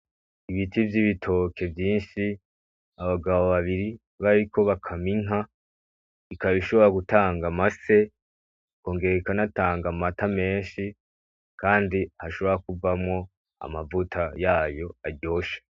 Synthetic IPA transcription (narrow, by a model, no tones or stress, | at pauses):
iβitivjiβitʰo̞ːkʰe̞vjiːnʃi | aβaɡaβoβaβiɾi | βaɾiko̞βakʰamiŋɦa | ikaβiʃo̞βo̞ɾaɡutaːŋɡamase̞ | ko̞ːŋɡe̞ɾeikanataːŋɡamatame̞ːnʃi | kaːndihaʃo̞βo̞ɾak̚uvamŋo̞ | a̰mavutʰajaːjo̞aɾɟo̞ːʃe̥